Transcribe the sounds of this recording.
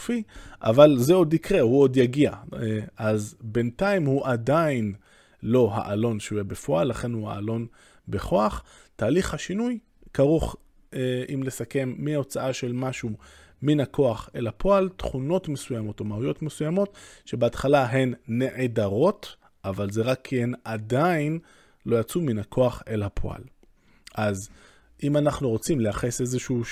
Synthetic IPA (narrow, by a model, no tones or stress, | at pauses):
fiʔa̰valzeo̞dikʁehuo̞djaɡia̰ʔazbe̞ntaimhuʔadain | lo̞ɦa̰ʔalo̞nʃeujebefoalːaχe̞nhuha̰ːlo̞n | be̞χo̞aχ | taːliχhaʃinuj | kaʁuχ | eimle̞sake̞mːio̞t͡saaʃe̞lmaʃu | minakʰo̞aχe̞lhapʰo̞altχuno̞tmesujamo̞tomaujo̞tmesujamo̞t̪ʃe̞beat̪χalaɦe̞nːe̞ʕedaʁo̞t | ʔavalzeʁakʰːienadain | lo̞jat͡suminhakʰo̞aχe̞lhapʰo̰a̰l | ʔaz | ʔimanaχnuʁo̞t͡simleaχese̞zeʃu